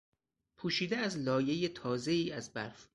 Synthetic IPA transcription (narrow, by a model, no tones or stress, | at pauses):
pʰuːʃiːd̪eæzlɒːje̞je̞t̪ʰɒːze̞iːæzbæɾf